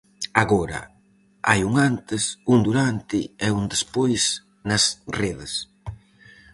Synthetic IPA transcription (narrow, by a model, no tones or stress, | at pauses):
aɣoɾɐ̰ | a̰juŋant̪ɪsuŋd̪uɾant̪ɪɛund̪espojs | nɐsreðɪs